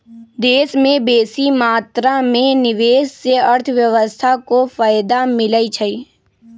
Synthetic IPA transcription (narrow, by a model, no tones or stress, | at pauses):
d̪eːsmẽbeːsimaːt̪ɾamẽnɪʋeːsseəɾt̪ʰʋjəʋəst̪ʰakofaːɪd̪amɪləit͡ʃʰəiː